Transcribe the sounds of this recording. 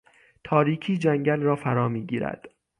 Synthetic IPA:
t̪ʰɒːɾiːkʰiːd͡ʒæŋɟælrɒːfæɾɒːmiːɟiːɾæ̰d̪̥

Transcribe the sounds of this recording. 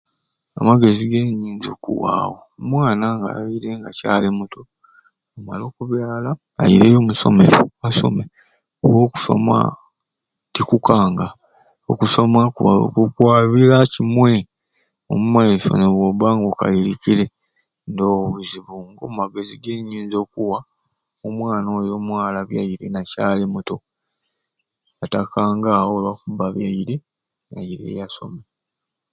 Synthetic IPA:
a̰maɡe̞ziɡe̞ɲiːɲd͡ʒokṵwa̰ːwomwaːnaŋɡa̰aiɾe̞ŋɡacaːlimuto | omalo̞ːkuβjaːla̰ː | jiɾejoːmuso̞̰mḛɾoaso̞̰me | owo̞ːku̥so̞̰ma̰ | tikukaːŋɡa | okuso̞makuβao̰kukwaːβiɾacimwe̞ | omumaeso̰neβwoβaːŋɡoka̰iɾicile̞ | ndoːβuziβuŋɡommaɡe̞ziɡeɲːiːnzo̞ːkuwa | omwaːnoːjo̞ːmwaːlaβja̰jiɾe̞nacaːlemuto̞ | jatakaːŋɡaːwolwakuβaβjaiɾe | jajiɾḛːjaso̞̰me

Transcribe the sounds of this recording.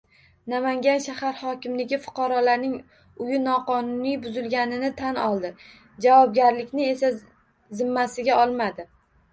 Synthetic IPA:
namaŋɡʲanʃahaɾhɒkʲɪmlɪɡʲɪfʊ̥qʰɑɾɒlaɾnɪŋ | ʊjɪnɒqʰɒnʊnijbʊzɪlɡʲanɪnɪt̪ʰanɒlˠd̪ɪ | d͡ʒavɒb̚ɡʲaɾlɪkʲnɪe̞sa | zɪmːasɪɡʲaɒlˠmad̪ɪ

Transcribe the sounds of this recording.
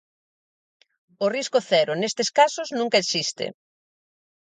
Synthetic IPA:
ʊriskʊθɛɾʊnest̪eskasʊznũŋkɐeksist̪ɪ̰

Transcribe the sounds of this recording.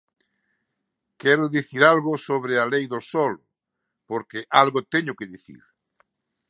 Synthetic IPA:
kɛɾʊðiθiɾalɣʊsoβɾealejðosɔlʊ | poɾkeʔalɣʊt̪ɛɲʊkeðiθḭɾ

